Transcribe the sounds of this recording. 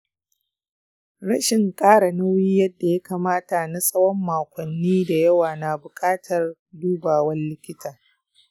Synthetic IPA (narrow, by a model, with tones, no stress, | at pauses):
ɽɐ˦ʃɪ˨ŋkʼaː˦ɽa˨nɐ˦wiː˦jɐ˦dːa˨ja˦kaː˨maː˦ta˨na˦sʼɐ˦wɔ˦mːaː˨kʷɔ˨nːiː˦da˨jɐ˦waː˨na˨bʊ˨kʼaː˦tʰɐ˨r | duː˦baː˨wɐ˦nlɪ˦kʲɪ˦taː˨